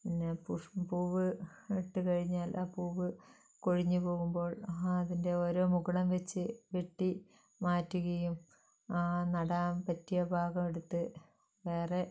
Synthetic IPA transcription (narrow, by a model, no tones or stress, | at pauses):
inːepuʂpuːʋɨiʈːɨkɐɻiɲːaːlʔaːpuːʋɨ | koɻiɲːupo̞ːɣumbo̞ːɭɐðinde̞o̞ːɾoːmuɣɐɭɐmʋet͡ɕːɨʋeʈːi | maːtːuɣɐjum | aːnɐɽaːmpɐtːijɐbʱaːɣɐmeɽut̪ːɨ | ʋe̞ːre̞